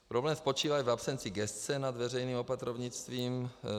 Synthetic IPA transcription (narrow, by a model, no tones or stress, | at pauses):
pɾoblɛːmspo̞t͡ʃiːvaivapsɛnt͡sɪɡɛst͡sɛnad̪vɛrɛjniːmopat̪ɾovɲɪt͡st̪viːm